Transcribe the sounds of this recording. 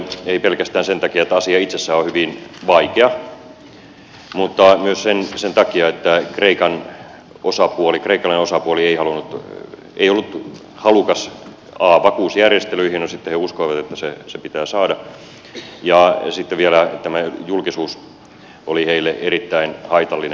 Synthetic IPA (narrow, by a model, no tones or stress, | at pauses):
eipelkæst̪æːnsent̪ɑkiɑet̪ːæɑsiɑit̪sesːæːohyʋinʋɑikeɑ | mut̪ːɑmyøssensent̪ɑkiɑet̪ːækreikɑn | ʔosɑpuolikreikːˑɑlːɑnosɑpuolieihɑlunut̪ | ḛiolːut̪ | hɑlukɑs | ɑːʋɑkuːsjærjest̪elyihinosit̪ːeheuskoiʋɑt̪et̪ːæsesepit̪æːsɑːdɑ | jɑsit̪ːeʋiælæt̪æmæjulkisuːs | ʔoliheilːeʔeɾit̪ːæinhɑit̪ɑlːine